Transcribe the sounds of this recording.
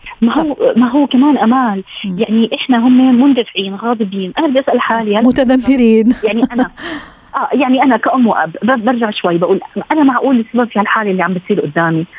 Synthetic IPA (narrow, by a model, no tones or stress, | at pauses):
mahʊwmaɦʊːkamaːnʔamaːljaʕniʔɪħnaɦʊmːemʊnd̪afɪʕiːnɣɑːd̪ˤɨbiːnʔanabɪd̪iʔasʔalħaːlihamʊt̪aðamːɪɾiːnjaʕniana | ʔaːjaʕniʔanakaʔʊmːwʔa̰bbabaɾˤʒaʕʃwajːbaʔuːlʔanamaʕʔuːlɪsːababfihalħaːlaʔɪlːiʕambɪt̪sˤiːɾʔʊd̪ːaːmi